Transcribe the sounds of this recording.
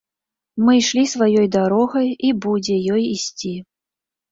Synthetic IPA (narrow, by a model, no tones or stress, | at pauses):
mɨjʂlʲisvajɔjd̪aɾɔɣɐjibud͡zʲɛjɔjisʲt͡sʲi